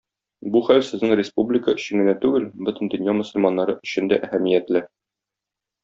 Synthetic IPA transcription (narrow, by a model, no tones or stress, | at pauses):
buχæwsɘ̆znɘŋrʲɪspublʲɪkəɵ̆ɕɘ̆ŋɡɘ̆næt̪ʉɡɘlbɵ̆t̪ɘ̆nd̪ɵ̆njɑmŏsɵ̆lʲmɑnːɑɾɤʔɵ̆ɕɘ̆nd̪æʔæhæmijæt̪lɘ